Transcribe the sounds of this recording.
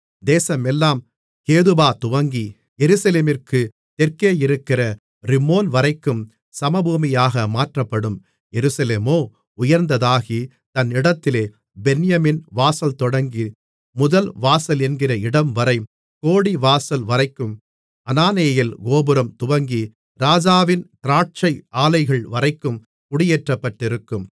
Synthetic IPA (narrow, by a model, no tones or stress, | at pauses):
d̪eːsɐmɛlːaːm | keːðɯbaːt̪ʊʋɐŋɡi | jɛɾɯsɐleːmɪrkɯ | t̪ɛrkeːjɪɾɯkːɪrɐ | ɾɪmoːnʋɐɾɐɪkːɯm | sɐmɐbuːmɪjaːɣɐmaːʈrɐpːɐɽɯm | jɛɾɯsɐleːmoː | ʊjɐɾnd̪ɐðaːɣi | t̪ɐnɪɽɐt̪ːɪleː | bɛnɪjɐmɪnʋaːsɐlt̪ɔɽɐŋɡi | mʊðɐlʋaːsɐlɛnɡɪrɐɪɽɐmʋɐɾɐɪ | koːɽiʋaːsɐlʋɐɾɐɪkːɯm | ɐnaːnejɐjɪlɡoːbɯɾɐmt̪ʊʋɐŋɡi | ɾaːd͡ʒaːʋɪnt̪ɪɾaːʈ̚t͡ʃɐɪʔaːlɐɪɣɐɭʋɐɾɐɪkːɯm | kʊɽɪjeːʈrɐpːɐʈːɪɾɯkːɯm